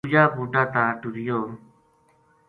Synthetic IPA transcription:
ud͡ʒaːpuːʈaːt̪aːʈuɾɪjoː

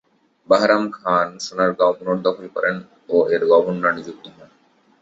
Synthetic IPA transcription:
baɦɾamkʰaːnʃunaɾɡãwpunoɾd̪ɔkʰolkɔ̰ɾen | oːeɾɡɔbunːanid͡ʒuk̚t̪iɦɔn

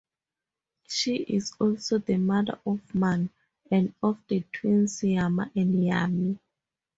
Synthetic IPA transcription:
ʃiʔizɔlsoðəmada̰ʔɔfmãn | ɛ̃ndɔfdətʰwĩnsiama̰ʔɛ̃njami

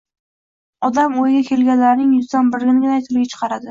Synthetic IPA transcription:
ɒd̪amojɡʲakʲʰe̞lɡʲanlaɾnɪŋjʊzd̪anbɪɾɡʲɪnɪɡʲɪnajt̪ʰʊɾɡʲat͡ʃʰɨ̥qʰɑɾad̪ɪ

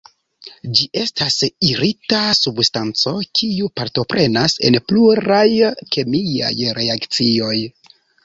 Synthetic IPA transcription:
d͡ʒiʔe̞stasiɾitasubstant͡so̞kʰiupaɾto̞pɾe̞nase̞̰npluɾajkʰe̞mija̰jɾʔe̞akt͡sio̞j

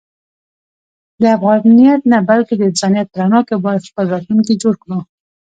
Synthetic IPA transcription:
d̪əafɣɑnijat̪nabalked̪əɪnzɑnijat̪̚pəɾanɑkebɑjad̪xpəlɾɑt̪luŋked͡ʒoɽkɽu

